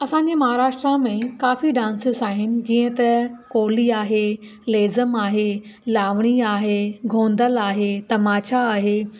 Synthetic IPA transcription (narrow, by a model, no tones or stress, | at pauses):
ɐsãːɲd͡ʑemɐɦaːɾaːʃʈɾãmẽkaːfiɗãːnsɪzaːɦɪnɪ̆d͡ʑiːə̃t̪ɐkoːliaːɦe | leːzəmaːɦelaːʋɽ̃iaːɦeɡʱõːnd̪əlaːɦet̪ɐmaːʃaaːɦeː